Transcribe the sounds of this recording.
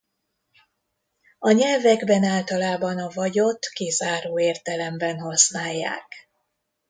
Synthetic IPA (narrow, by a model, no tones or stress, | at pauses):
ɒɲɛlvɛɡbɛnaːlt̪ɒlaːbɒnɒvɒɟo̞t̪kizaːɾoːeːrt̪ɛlɛmbɛnɦɒsnaːjːa̰ːk